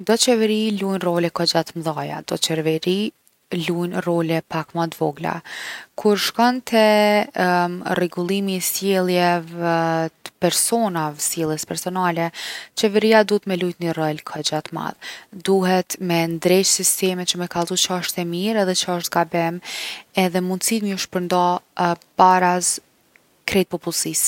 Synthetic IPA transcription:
d̪ɔt͡ʃɛvəɾilujnrɔlɛkɔd͡ʒat̪mðaja̰d̪̥ɔ̰t͡ʃɛɾvɛɾi | lujnrɔlɛpakmat̪vɔɡla̰kʰuɾʃkɔnt̪ʰɛ | rɛɡulˠimiːsjɛlˠjɛvɛt̪ə̥pɛɾsɔnavɛsjɛlˠəspɛɾsɔnalɛt͡ʃɛvɛɾiad̪ut̪mɛlujt̪nirəlkʰəd͡ʑat̪ma̰ðd̪uɦɛt̪mɛnd̪ɾɛt͡ʃsist̪ɛmɛt͡ʃəmɛkalˠt̪ut͡ʃəəʃt̪ɛmiɾɛðɛt͡ʃəəʃt̪kabɛmɛðɛmund̪sit̪miɔʃpəɾnd̪ɔbaɾas | kɾɛt̪̚pɔpulˠsis

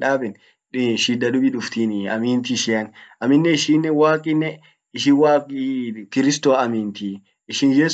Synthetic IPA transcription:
ᶑaːbɛn | ʃiːd̪ɐᶑʊbiᶑʊft̪iːnɐ̰miːnt̪iʃɪɐnʔɐmɪnːɛɪʃiːnːɛwaːkʼɪnːɛ | ɪʃɪwaːkʼikɪɾɪst̪oːɐmiːnt̪iː | ɪʃɪnjɛs

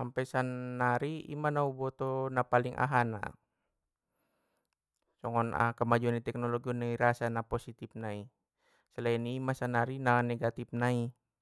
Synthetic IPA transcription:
ampɛsanːaɾiḭmanaubɔt̪ɔnapaliŋʔa̰ɦana̰ | sɔŋɔna̰kəmad͡ʒuanit̪ɛk̚nɔloɡiɔnaiɾasanaposit̪ip̚nai | səlainiːmasanaɾinanɛɡat̪ip̚nai

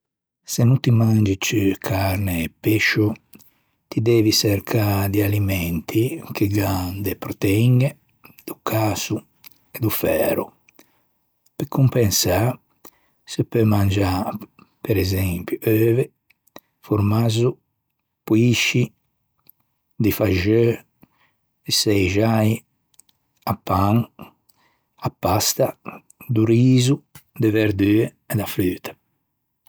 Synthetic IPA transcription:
senut̪imand͡ʒit͡ʃkʰaɾneːpːeʃu | t̪id̪ɛːvisɛɾkʰad̪ialimɛnt̪ʰikeɡand̪epɾot̪eɛiŋe | d̪̥ukʰaːsu | ɛd̪ufɛːɾṵ | pekumpɛnsa | sepømand͡ʒa | peɾɛzɛmpjuøːve | fuɾmazu | puiʃi | d̪ifaʒø | esɛjʒaj | apːaŋ | apːast̪a | d̪uɾiːzud̪eveɾd̪yːe | ɛd̪afɾyːt̪ɛ̥

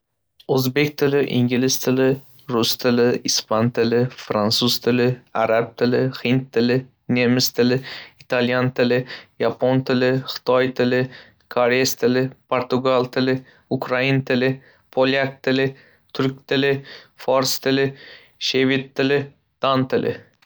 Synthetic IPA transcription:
ɵzbekʲt̪ʰɪlɪʔɪŋɡʲɪlɪst̪ʰɪlɪ | ɾʊst̪ʰɪlɪɪspʰant̪ʰɪlɪfɾansʊz̥t̪ʰɪlɪaɾab̚t̪ʰɪlɪhɪnt̪ʰːɪlɪ | nʲemɪst̪ʰɪlɪɪt̪ʰaljant̪ʰɪlɪjapʰont̪ʰɪlɪχɪ̥t̪ʰɒjt̪ʰɪlɪ | kʰoɾest̪ʰɪlɪpʰoɾt̪ʊɡalˠt̪ʰɪlɪ | ʊkɾaɪnt̪ʰɪlɪ | pʰolʲjak̚t̪ʰɪlɪ | t̪ʰʊɾk̚ʲt̪ʰɪlɪfɒɾst̪ʰɪlɪ | ʃevɪt̪ʰːɪlɪ | d̪̥ant̪ʰɪlʔɪ̰

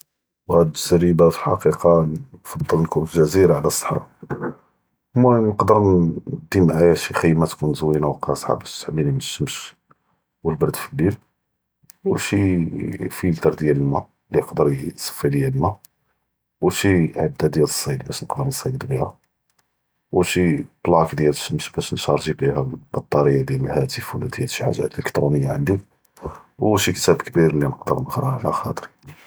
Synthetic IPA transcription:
whæd̪zæɾibaflħɑ̰qiqɑfɑd̪ˤːəlnkunflʒæziɾaʕlæsˤːə̥ħɑ̰ | mːænəqd̪əɾd̪imʕajæʃixijːmæt̪kunzwinawqɑsˤħɑ̰bæʃt̪ħəbːiniməʃːəmʃ | wəlbɑɾˤd̪filːil | wəlʃi | filt̪ɑɾˤd̪jæləlmæ | lijəqd̪əɾt̪sˤə̥fːid̪jælmæ | wʃiʕabd̪ːad̪jæləsˤːɑjd̪̚bæʃnəqd̪əɾnəsˤɑj̪d̪biæ | wəʃib̥lɑkd̪jælʃəmʃbæʃnʃɑɾˤʒibihæbɑt̪ˤːɑɾəjːad̪jæləlhæt̪əfwəlæd̪jælʃiʕa̰ʒæ̰t̪ləkt̪ɾunəjːaʕand̪ik | wʃikt̪æbkbiɾninəqd̪ə̰ɾˤnəqɾˤɑʕlæ̰xɑ̰t̪ˤəɾi

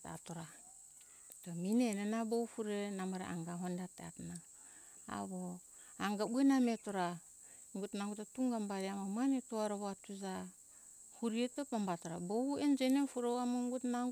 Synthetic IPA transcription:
ta̰toɾa | taminenenaboufuɾenamaɾḛʔa̰ŋɡaɦondateatna̰ː | βo | aŋɡabuenametoɾa | ŋɡutnaŋɡutatuŋɡambaɾiamamanetoaɾaβoatuza | huɾietepambatoɾabouend͡ʒenefuɾowamoŋɡutnaŋ

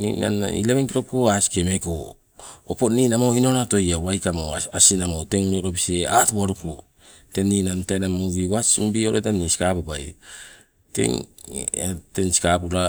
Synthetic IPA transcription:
nḭna̰nḭleβeŋkiɾo̞koasi̥kemeko | oponinamoinoɾatojawajkamoasinamoteŋuneɾopiseatuwaɾupo | tenːinantajnamoɾiwasimbioɾetanːisi̥kapupaj | tḛŋeteŋsi̥kapula

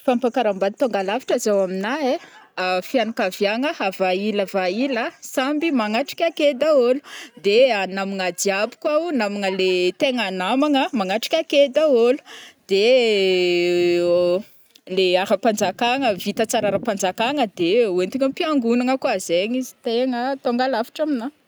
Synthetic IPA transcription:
fampakaɾambad̪ipaŋɡalavi̥ʈ͡ʂazawaminae | fianakavjaŋəavailavailəsambimaŋaʈ͡ʂi̥kʲaked̪aolud̪eanamiŋad̪iabu̥kaunamiŋəlet̪eŋanamaŋəmaŋaʈ͡ʂi̥kʲaked̪aolu̥d̪e | leaɾəpand͡zakaŋəvit̪ət͡saɾaɾəpand͡zakaŋəd̪euent̪iŋəmpiaŋɡunaŋəkuazeɲizi̥t̪eŋət̪oŋɡalafi̥ʈ͡ʂamina

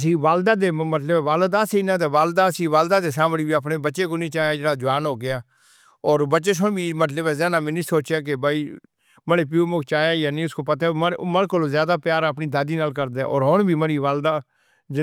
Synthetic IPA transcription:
sĩːʋaːld̪aːd̪eːmət̪ləbɛːʋaːld̪aːseinãːt̪eːʋaːld̪aːsĩːʋaːld̪aːd̪eːsãːməɽiːbiːəpneːbətːʃeːkoːnĩːt͡ʃaːjaːd͡ʒɪɽaːd͡ʒʊʋaːnɦoːɡɪjaː | ɔːɾbətːt͡ʃeːs̬ʊnbʱiːmət̪ləbɛːzɛːnaːmɪ̃nĩːsoːt͡ʃjaːk̬ebaːiː | məneːp̬uːmokt͡ʃaːjaːjaːnĩːʊskoːpət̪ːɛːməɾkoloːzjaːd̪aːpjaːɾəpniːd̪aːd̪iːnaːlkəɾd̪eːʔɔ̰ːɾɦoɳbʱiːməɾiːʋaːld̪aː | d͡ʒɪ

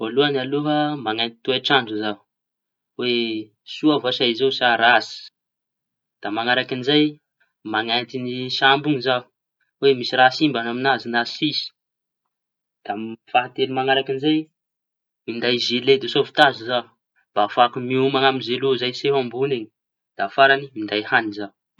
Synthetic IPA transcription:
voluanalofamaŋant̪i̥t̪uaʈ͡ʂaɳɖ͡ʐuzaɦu | we | suavasaizewsaɾasi̥ | d̪̥amaŋaɾakinizaj | maŋant̪inisambuŋizau | wemisiɾasimbanaminazinasisi̥ | d̪̥afaɦat̪elimaŋaɾakinzaj | mind̪ajzeled̪esovi̥t̪azuzau | b̥afakumiumaŋamizeluzajseɦambuneɲi̥ | d̪̥afaɾanimind̪ajhanizau

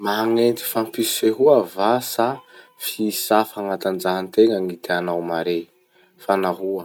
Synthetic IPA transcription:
maɦaŋent̪i̥fampisiseɦuavasa | fisafaŋat̪and͡ʒaɦnt̪eŋəŋit̪eanawmaɾe | fanaɦuə

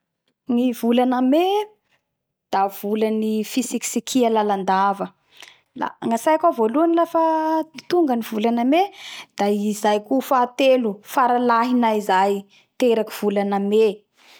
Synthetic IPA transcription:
ŋivulaname | d̪̥av̥ulanifisiksikʰialaland̪avə | la̰ŋasajakavoluanilafət̪uŋɡənivulanamed̪̥aizajkufaːt̪elufaɾalaɦinaizaj | t̪eɾakiv̥ulaname

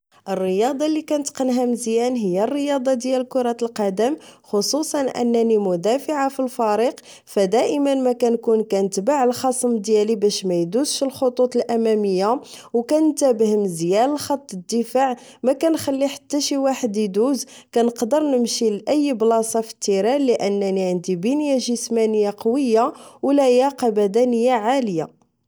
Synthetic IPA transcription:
ʔərːəjɑd̪ˤɑlːikænt̪qənɦæmzjænɦəjːærːəjɑd̪ˤɑd̪jæləkʊɾˤɑt̪əlqɑd̪əmxosusˤɑnʔə̰nːænimʊd̪æfəʕafilfɑɾiq | fæd̪æʔəmənmækænkunkænət̪baʕəlxɑsˤəmd̪jælibæʃmæjd̪uzʃəlxot̪ˤut̪ˤəlʔæmæməjːa | wkænt̪æbəhəmzjællxɑt̪ˤːəd̪ːəfaʕ | mækænxælːiħḁt̪ːæʃiwaħəd̪d̪uzkænəqd̪əɾˤnəmʃilʔəjːblɑsˤɑfə̥t̪ːiɾælːəʔənːæniʕənd̪ibənjaʒəsmænəjːaqɑwəjːawlæjæqɑbæd̪ænəjːaʕaləja̰

